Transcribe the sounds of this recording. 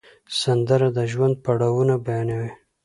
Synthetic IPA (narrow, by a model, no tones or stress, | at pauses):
sand̪əɾad̪əʒwand̪̚paɽawunabajɑnawi